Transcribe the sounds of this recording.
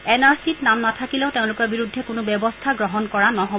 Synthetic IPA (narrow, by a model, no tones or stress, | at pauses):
ɛnaɹsitnamnatʰakilɛʊteʊ̃lʊkɔɹbiɹudʱːɛkʊnʊbɛbɔstʰaɡɹɔɦɔnkɔɹanɔɦɔ